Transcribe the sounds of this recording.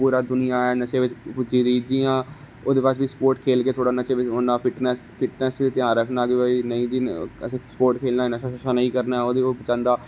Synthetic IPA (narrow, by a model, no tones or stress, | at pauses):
puːɾaːd̪ʊnɪjaːɛːnət͡ʃeːʋɪt͡ʃpʊd͡ʒiːd̪iːd͡ʒiːãː | oːd̪eːpat͡ʃʋiːspoːɾʈkʰeːlkeːt̪ʰoːɽaːnət͡ʃeːʋɪt͡ʃɦoːnaːpʰɪʈnɛːspɪʈnɛːsiːt̪ɪjãːɾəkʰnaːɡbəinəĩːd̪iːəsẽːspoːɾʈkʰeːlnaːnəʃʰaʃaːnəĩːkəɾnaːɛoːd̪eːoːbət͡ʃãːnd̪aː